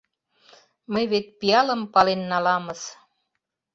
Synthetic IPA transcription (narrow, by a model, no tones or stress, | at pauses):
məjβet̪̚pijɑlə̆mpɑlenːɑlɑmɤ̆s